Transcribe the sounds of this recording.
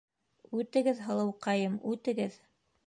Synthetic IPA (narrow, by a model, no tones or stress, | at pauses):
ʉt̪ɘ̆ɡɘðɦɤ̆lˠɤ̆wqɑjɤmʉt̪ɘ̆ɡɘð